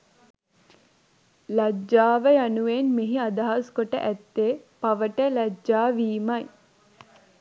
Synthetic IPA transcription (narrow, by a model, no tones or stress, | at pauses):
lad͡ʒːaːʋəjanuʋenmeɦiad̪aɦaskoʈə̰ʔæt̪ːeːpaʋəʈəlad͡ʒːaːʋiːmɐj